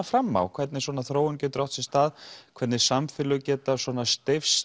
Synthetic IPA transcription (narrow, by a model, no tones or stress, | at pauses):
afɾamːa̰wkʰvɛɾt̪nɪ̥swɔːnaθɾoːwɪɲcʏt̪ɾɔwht̪sɪst̪aːðkʰɛɾt̪nɪsamfɪlʏcɛːt̪aswɔnast̪ɪfs